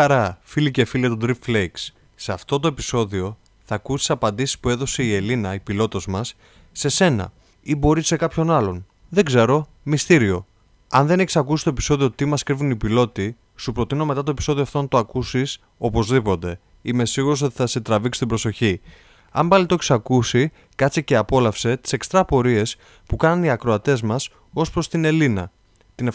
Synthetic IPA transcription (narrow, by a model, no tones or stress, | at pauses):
ɐɾɐfilice̞filiɐt̪od̪ɾifflejks | seɐft̪o̞t̪̬o̞e̞piso̞ðio̞ | θɐkusisɐpɐnd̪isi̥spue̞ðo̞se̞ie̞linɐipilo̞t̪ozmɐsː | e̞se̞nɐ̰ | ibo̞ɾisːe̞kɐpço̞nɐlo̞n | ðeɡze̞ɾo̞ | mist̪iɾio̞ | ɐnðe̞neçi̥sɐkusi̥st̪oe̞pi̥so̞ðio̞t̪imɐskɾivunipilo̞t̪i | supɾo̞t̪ino̞me̞t̪ɐt̪oepi̥so̞ðioft̪ont̪oɐkusis | o̞po̞zðipo̞t̪e̞ | ime̞siɣuɾoso̞t̪i̥θɐse̞t̪ɾɐviksi̥t̪ibɾo̞so̞çi | ɐmbɐlit̪oeçi̥sɐkusi | kɐt̪t͡siceɐpo̞lɐfse̞t̪i̥se̞kst̪ɾɐpo̞ɾie̞s | pukɐnɐniɐkɾo̞ɐt̪e̞zmɐs | o̞spɾo̞st̪ine̞linɐ | t̪ine